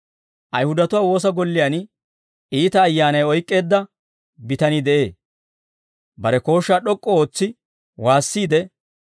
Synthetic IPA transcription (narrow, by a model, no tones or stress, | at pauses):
ʔɐjhʊd̪ɐt̪ʊwaːwo̞ːs̬ɐɡɔlːɪjaːn | iːt̪ɐːjːaːnɐjɔjkʼːe̞ːd̪ːɐ | bɪt̪ɐnɪd̪ɛʔe̞ː | bɐɾɛko̞ːʃːaːɗɔkʼːɔo̞ːt͡sːɪ | waːsːiːd̪ɛ